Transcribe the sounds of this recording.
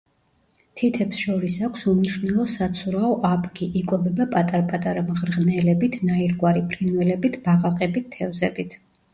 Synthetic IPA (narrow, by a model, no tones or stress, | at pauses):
t̪ʰit̪ʰɛpsʃɔɾisakʷʰsumniʃnɛlˠɔsat̪sʰuɾaɔʔapʰʼɡiʔikʼɔbɛbapʼat̪ʼaɾpʼat̪ʼaɾamʁɾʁnɛlɛbit̪ʰnaiɾɡwaɾipʰɾinvɛlɛbit̪ʰb̥aqʼaqʼɛbit̪ʰːɛvzɛbit̪ʰ